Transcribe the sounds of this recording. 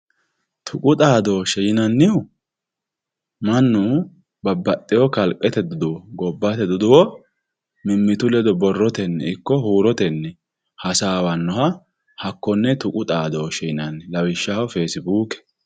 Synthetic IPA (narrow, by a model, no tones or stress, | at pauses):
t̪ʰʊkʼʊt̪ʼaːd̪oːʃɛjɪnɐnːɪʊ | mɐnːʊ | bɐbːɐt̪ʼːɪjɔkɐlkʼɛt̪ɛd̪ʊd̪ʊwɔɡɔbːɐt̪ɛd̪ʊd̪ʊwɔ | mɪmːɪt̪ʊlɛd̪ɔbɔrːɔt̪ɛnːɛ̰ɪkːɔhuːɾɔt̪ɛnːɛ | hɐsaːwɐnːɔhɐ | hɐkːɔnːɛt̪ʊkʼʊt̪ʼaːd̪oːʃɛjɪnɐnːɛlɐwɪʃːaɔfeːsɪbuːkɛ̥